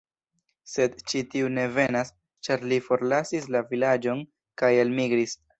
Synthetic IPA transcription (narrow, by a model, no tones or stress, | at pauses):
se̞dt͡ʃitiune̞ve̞nas | t͡ʃaɾlifo̞ɾlasislavilad͡ʒo̞n | kajalmiɡɾis